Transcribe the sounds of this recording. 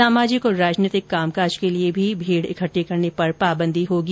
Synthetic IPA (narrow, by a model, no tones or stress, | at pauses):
aːmaːd͡ʒɪkɔɾaːd͡ʒniːt̪ɪkːaːmkaːd͡ʒkeliebʱibʱiːɽɪ̰kʰəʈːikɐɾnepɐɾpaːbə̃nd̪ʱiɦoːɡi